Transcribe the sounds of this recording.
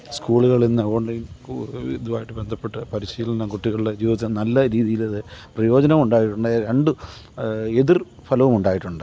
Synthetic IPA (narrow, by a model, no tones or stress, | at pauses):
skuːɭuɣɐɭinːɐoːɳlɐjniðuʋaːjiʈːɨbend̪ʱɐpːe̞ʈːɨpɐɾiɕiːlɐnɐkuʈːiɣɐɭɽed͡ʑiːʋɐt̪ːinɐlːɐɾiːðijilɐðɨprɐjo̞ːd͡ʑɐnɐmuɳɖaːjiʈːuɳɖɨɾeɳɖu | eðir | fʰɐlɐʋumuɳɖaːjiʈːuɳɖɨ